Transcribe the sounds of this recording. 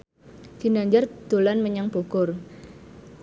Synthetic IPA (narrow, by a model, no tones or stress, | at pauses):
ɡ̥i̤naɲd͡ʒard̪̥o̤lanməɲaŋb̥oɡ̥ɔr